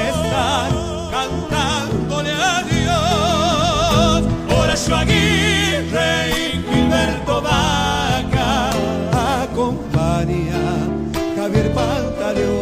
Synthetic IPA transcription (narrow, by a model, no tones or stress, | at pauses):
est̪a | kant̪and̪oneaðio | oɾaʃaɣirebiβeɾt̪oβaka | akompania | kaβeɾpant̪aɾjo